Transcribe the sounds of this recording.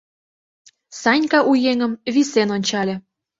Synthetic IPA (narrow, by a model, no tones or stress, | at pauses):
sɑnʲkɑʔujeŋə̆mβisenonʲt͡ɕɑlʲĕ